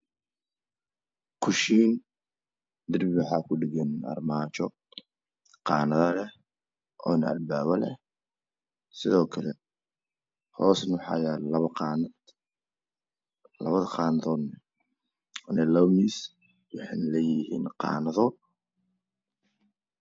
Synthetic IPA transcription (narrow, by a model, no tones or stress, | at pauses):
kʰʊʃiːn | d̪ɪrbɪwʊħɑːkʰʊɖɪɣɛnɐ̰rmaːt͡ʃɔ | qɑːnɐðɐlɛh | ʔɔːnɐɐ̰lbaːβɐlɛ̰h | sɪðɔːkʰɐlɛ | hɔːsnwħɑjaːlɐɐn | lɐ̰βɐðɐqɑːnɐðɔːd̪nɐ | ɔnɐlɐmiːs | wɑħɑnɐlɛːjɪhḭːnqɑ̰ːnɐðɔ